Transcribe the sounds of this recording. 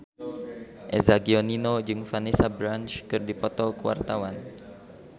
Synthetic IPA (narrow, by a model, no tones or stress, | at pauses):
ʔezaɡioninod͡ʒɨŋfanisabɾant͡ʃkɨrdipɔt̪ɔkəwa̰rt̪awan